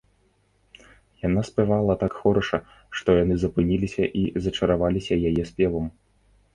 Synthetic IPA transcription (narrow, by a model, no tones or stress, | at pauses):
jan̪aspɛvalˠɐt̪akxɔɾɔʂɐ | ʂt̪ɔjanɨzɐpɨnʲilʲisʲɐʔizɐt͡ʂɐɾavalʲisʲɐjajɛspʲɛvɐm